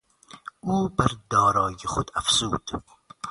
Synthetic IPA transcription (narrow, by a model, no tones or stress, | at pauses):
uːbaɾd̪ɒːɾɑːjiχʊd̪afsṵːd̪̥